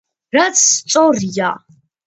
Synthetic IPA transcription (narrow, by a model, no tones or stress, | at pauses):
rɐt͡sʰst͡sʼorja